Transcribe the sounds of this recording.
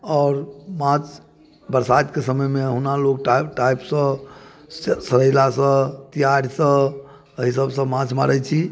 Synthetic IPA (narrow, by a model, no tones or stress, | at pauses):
ɔːɾmãt͡ʃ | bəɾsad̪kesəməjmeɦunalok̚ʈʈajpsə̃ | səɾəjlasə̃t̪ijaɾsə̃ | əɦisəbsə̃mãt͡ʃʰma̰ɾət͡ʃʰi